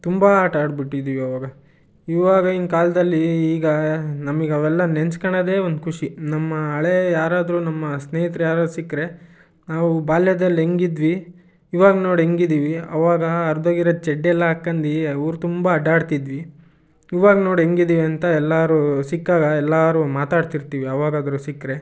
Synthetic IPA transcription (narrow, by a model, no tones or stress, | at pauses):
t̪umbɐaːʈaːɖbiʈːid̪iːʋiɐʋaːɡɐ | iʋaːɡɐinkaːlɐd̪ɐlːiːɡɐnɐmɐɡeɐʋɛlːɐnenskɐɳɐd̪e̞ːo̞nd̪ukʰuʂinɐmːɐːɭejaːɾaːd̪ɾuːnɐmːɐsneːjit̪ɾɛjaːɾaːd̪usikːɾe̞ | naːʋubaːljɐd̪ɐlːɦeŋɡid̪ʋiː | ʋaːɡɐno̞ːɽiɦeŋɡid̪iːʋiɐ̰ʋaːɡɐːɾd̪oːɡiɾɐd̪t͡ʃɛɖːɛlːɐɦakːɐnd̪iɐːɾut̪umbɐːɖaːɽt̪id̪ʋi | iʋaːɡɐno̞ːɽiɦe̞ŋɡid̪iːʋiɐnt̪ɐɛlːaːɾusikːaːɡɐɛlːaːɾumaːt̪aːɽt̪iɾt̪iːʋiɐʋaːɡɐd̪ɐɾusikːɾe̞